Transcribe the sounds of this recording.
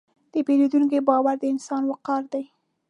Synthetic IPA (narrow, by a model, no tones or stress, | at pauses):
d̪̥əbelud̪uŋk̬ebɑwaɾd̪əɪnsɑnwəqɑɾd̪aj